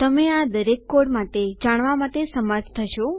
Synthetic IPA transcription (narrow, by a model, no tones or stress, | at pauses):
t̪əmead̪əɾekːoɽmaʈed͡ʒaɽ̃ʋamaʈesəməɾt̪ʰt̪ʰəʃo